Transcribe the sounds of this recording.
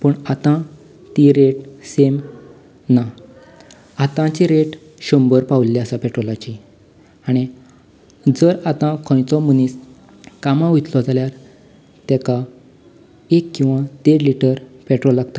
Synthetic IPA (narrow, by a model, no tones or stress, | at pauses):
pəɳat̪ã | t̪iɾeʈsem | na | at̪ãt͡ɕiɾeʈ | ɕɔmbəɾpawllːiasapɛʈɾolat͡ɕi | aɽ̃i | d͡zəɾat̪ãkʰɔ̃jt͡sɔmənis | kamãʋut̪lɔd͡zaljaɾ | t̪ɛka | ekːĩw̃ʋat̪eɽliʈəɾpeʈɾolːaɡt̪a